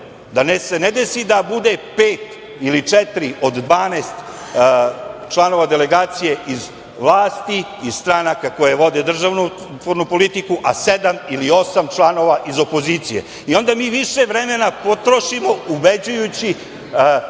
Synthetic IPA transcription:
d̪anesened̪esid̪abud̪e̞peːt̪ | ilit͡ʂɛt̪ɾiʔo̞d̪d̪ʋaːnast̪ | t͡ʂlˠano̞ʋad̪ele̞ɡaːt̪sije̞ʔiz | ʋlˠaːst̪i | iz̥st̪ɾanakako̞jeʋo̞d̪ed̪r̩ʒaʋnu | ut̪ʋoɾnupo̞lit̪ikuʔased̪amilio̞samt͡ʂlˠano̞ʋaʔizo̞po̞ziːt̪sije̞̰ | io̞nd̪amiːʋiʂeʋɾeme̞napo̞t̪ɾo̞ʃimo̞ubed͡ʑujut͡ɕi

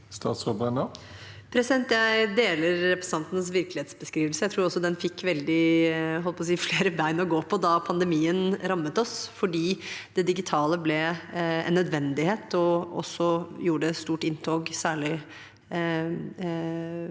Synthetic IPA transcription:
st̪ɑ̰ːt̪sʁobɛnə | pʰɾɛsɪd̪ɛnt̪jæɪd̪eːləɾɾɛpɾɛsn̩ɑnt̪nəsʋɪɾklɪeːt̪sbəskɾiːʋəlsəjæɪt̪ʰɾuːɾɔsːɔd̪ɛnfɪkːʋɛld̪ɪɦɔlpʰɔsiːfleːɾəʋæɪnɔɡoːpʰɔd̪ɑpʰɑnd̪ɛmiːənɾɑmːət̪ɔsfɔɖiːd̪̥ɛd̪ɪɡɪt̪ʰɑːləblɛɛ̰nːœd̪ʋɛnd̪ɪheːt̪ʰɔʔɔ̰sːɔjuːəɖəst̪uːʈɪnt̪ʰoːɡsæːɭɪ

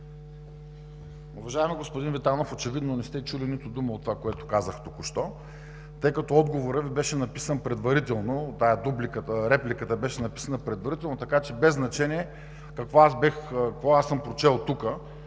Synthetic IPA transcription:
ʊvɐʒaɛmiɡospʊd̪invɛt̪anofot͡ʃɛvid̪nonɛst̪ɛt͡ʃulinit̪ʊd̪uməot̪ːovakoɛt̪ʊ̥kazəxt̪ukʊʃt̪ɔ | t̪ɤjkɐt̪ɔɔd̪ɡovoɾəvibɛʃɛnɐpi̥sənpɾɛd̪vɐɾit̪ɛlˠnot̪ajəd̪ublikət̪əɾɛplʲikət̪əbɛʃɛnɐpi̥sənəpɾɛd̪vɐɾit̪ɛlˠnot̪ɐkat͡ʃɛbɛznɐt͡ʃɛnʲiɛ | kɐkvɔasbɛxkkvɔasəmpɾot͡ʃɛlˠt̪ukə

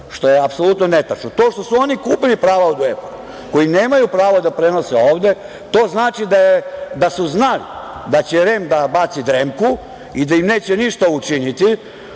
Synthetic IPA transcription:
ʃt̪o̞jeapso̞lut̪nonet̪at͡ʃnot̪o̞ːʃt̪o̞suo̞nikuːpilipɾaːʋaod̪ueponu | ko̞jineːmajupɾaːʋod̪apɾe̞no̞seo̞ːʋd̪e̞ | t̪o̞ːznaːt͡ʃid̪ajed̪asuznalḭd̪at͡ɕeɾe̞md̪abat̪sid̪ɾemku | id̪aimne̞ːt͡ɕeniʃt̪aut͡ʃinit̪i

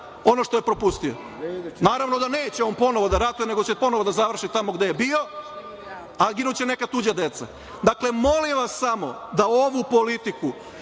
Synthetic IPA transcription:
o̞noʃt̪ojpɾo̞pust̪io | naːɾaʋno̞d̪ane̞ːt͡ɕeompo̞no̞ʋo̞d̪aɾat̪ujene̞ɡo̞t͡ɕepo̞noʋod̪azaʋr̩ʃit̪amo̞ɡd̪ejebio̞ | aɡinut͡ɕene̞kat̪ud͡ʑad̪e̞t̪sa̰ | d̪akle̞mo̞limʋassamo̞̰d̪aoʋupo̞lit̪iku

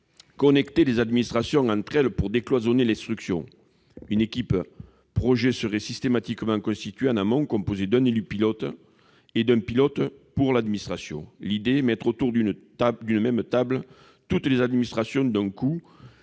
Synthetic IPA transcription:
kɔnɛkt̪elezad̪minist̪χasjɔ̃ŋɑ̃nt̪χɛləpuʁd̪eklwazɔnelɛ̃st̪χyksjɔ̃ | ynekʲip | pχɔʒesəʁɛsist̪emat̪ikəmɑ̃ŋkɔ̃st̪it̪ɥeɑ̃namɔ̃ŋkɔ̃mpozed̪ɛ̃nelypilɔt̪ | ed̪ɛ̃pilɔt̪puʁlad̪minist̪χasjɔ̰̃lid̪emɛt̪χot̪uʁd̪ynd̪ynəmɛmət̪ablə | t̪ut̪lezad̪minist̪χasjɔ̃d̪ɛ̃ŋku

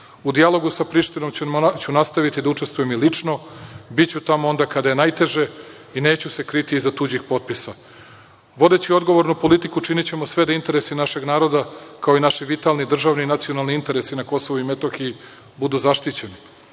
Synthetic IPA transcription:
ud̪ialˠo̞ɡusapɾiʃt̪ino̞mt͡ɕunast̪aʋit̪id̪aut͡ʂest̪ʋujemilit͡ʂno̞bit͡ɕut̪amoo̞nd̪akad̪aje̞najt̪e̞ʒe̞ | ine̞ːt͡ɕuse̞kɾit̪iːzat̪uːd͡ʑixpo̞t̪̚pisa | ʋo̞d̪e̞t͡ɕio̞d̪ɡo̞ʋo̞ɾnupo̞lit̪ikut͡ʃinit͡ɕe̞mosʋe̞d̪aint̪e̞ɾe̞sinaʃe̞ɡnaːɾo̞d̪akaoinaʃiʋit̪alˠnid̪r̩ʒaːʋninat̪sio̞nalˠniint̪e̞ɾesinako̞so̞ʋuimet̪o̞xiji | bud̪uzaʃt̪it͡ɕe̞ni

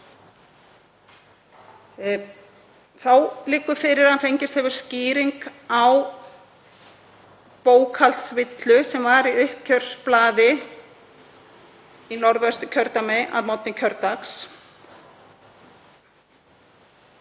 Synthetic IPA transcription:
θawlɪːkʏfɪɾɪɾ̥hanfejɲcɪst̪hɛvʏɾ̥sciːɾiŋkaw | poːwkʰal̥t̪svɪt̪lʏsɛmvaɾiʏhp̚cʰœr̥splaːðɪ | inɔɾðɛst̪ʏcʰœɾt̪amejʔa̰ðmɔt̪nɪcʰœɾt̪aks

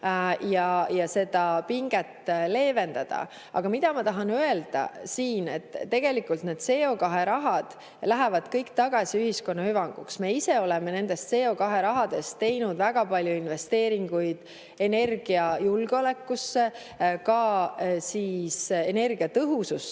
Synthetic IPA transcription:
jɑjɑse̞d̪̥ɑpiŋɡ̥et̪ːle̞ːve̞nd̪ɑd̪̥ɑ̰ | ɑ̰ɡ̥ɑmid̪̥ɑmɑt̪ɑɦɑnøe̞ld̪̥ɑ̰siːne̞̰t̪ːe̞ɡ̥e̞likːult̪ned̪̥se̞ːo̞kɑɦe̞ɾɑɦɑd̪̥ | læɦevɑd̪̥kɤjkt̪ɑɡ̥ɑsʲiyhisko̞nːɑhyvɑŋɡ̥ṵksme̞ːiseo̞lɛme̞ne̞nd̪̥e̞st̪se̞ːo̞kɑɦe̞ɾɑɦɑd̪̥e̞st̪ːe̞jnud̪̥væɡ̥ɑpɑlʲjuinve̞st̪e̞ːɾiŋɡ̥ujd̪̥ | e̞ne̞rɡ̥iɑjulɡ̥eo̞le̞kːˑusːe̞ | kɑsiːsene̞rɡ̥iɑt̪ɤɦusus

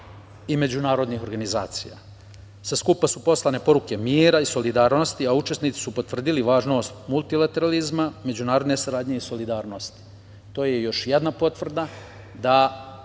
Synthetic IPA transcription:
ime̞d͡ʑunaːɾo̞d̪nixo̞ɾɡanizaːt̪sija̰ | saskupasupo̞slˠane̞po̞ɾuke̞miːɾaiso̞lid̪aːɾno̞st̪iaut͡ʃe̞snitsi̥supo̞t̪vr̩d̪iliʋaːʒno̞ːst̪mulˠt̪ilat̪e̞ɾalizmame̞d͡ʑunaːɾo̞d̪ne̞saɾaːd̪ɲe̞iso̞lid̪aːɾno̞st̪i̥ | t̪o̞ːjejo̞ʃjed̪napo̞t̪ʋr̩d̪a | d̪a

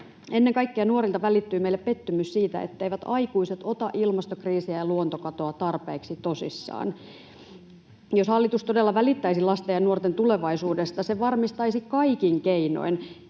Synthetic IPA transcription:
enːeŋkɑikːeɑnuorilt̪ɑʋælit̪ːyːmeilːeppet̪ːymyssiːt̪æ̰ḛt̪ːeiʋæt̪ɑikuiset̪o̞t̪ɑʔilmɑst̪okriːsiæjɑluont̪okɑt̪oɑt̪ɑrpeːksit̪o̞sḭsːɑ̰ːn | joshɑlːit̪ust̪odelːɑʋælit̪ːæisilɑst̪ejɑnuort̪ent̪uleʋɑisuːdest̪ɑseʋɑrmist̪ɑisikɑikiŋkeino̰in

